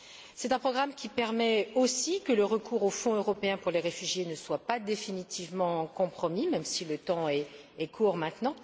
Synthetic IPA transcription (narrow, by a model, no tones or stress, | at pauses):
sɛt̪ɛ̃pχɔɡʁamkʲipɛʁmɛosikələʁəkʰuʁofɔ̃øʁɔpeɛ̃puʁleʁefyʒjenəswapad̪efinit̪ivmɑ̃kɔ̃pχɔmimɛmsilət̪ɑ̃ɛː | kʰuːʁmɛ̃t̪nɑ̃